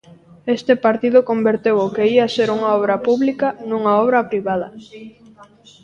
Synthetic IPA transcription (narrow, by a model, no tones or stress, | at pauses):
est̪epaɾt̪ið̞ʊkombeɾt̪ewokeiɐseɾuŋaɔβɾɐpuβlikanuŋaɔβɾɐpɾiβaðɐ